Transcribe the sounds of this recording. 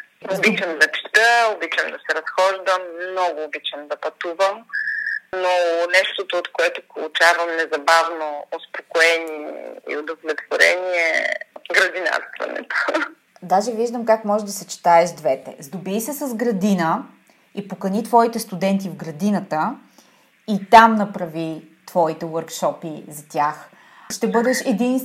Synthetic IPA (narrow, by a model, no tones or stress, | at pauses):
obit͡ʃəmd̪ɐt͡ʃi̥t̪əobit͡ʃɐmd̪ɐsɛɾɐsxɔʒd̪əmnɔɡʊːbit͡ʃəmd̪ɐpɐt̪uvəm | nonɛʃt̪ot̪oːt̪koɛt̪opolˠut͡ʃavɐmnɛzɐbavnoospokoɛniɛ̰ḭod̪ovlɛt̪voɾɛ̰niɛɡɾɐd̪ina̰ɾst̪vɐ̰nɛ̰t̪o̥ | d̪aʒɛviʒd̪əmkakmɔʒɛd̪ɐsɛt͡ʃi̥t̪aɛʃd̪vɛt̪ɛ̰zd̪obiːsɛsɐzɡɾɐd̪inə | ipokɐnit̪vɔit̪ɛst̪ud̪ɛnt̪ivɡɾɐd̪inət̪ə | it̪amnɐpɾɐvit̪v̥ɔit̪ɛwəɾkʃɔpizɐt̪ʲjax | ʃt̪ɛbɤd̪ɛʃɛd̪in